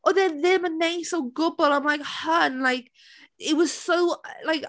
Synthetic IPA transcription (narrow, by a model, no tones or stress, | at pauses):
ʔoðəðɪ̃məneɪsoʊɡʊbəlˠãɪ̃mlaɪkhə̃nnlaɪk | ɪt̚wʌz̥soʊlaɪk